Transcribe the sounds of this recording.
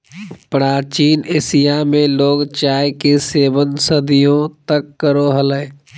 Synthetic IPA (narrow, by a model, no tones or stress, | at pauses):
pɾaːt͡ʃiːneːsijamẽloːɡt͡ʃaːjkeseːbənsəd̪ijõt̪əkːəɾoɦələ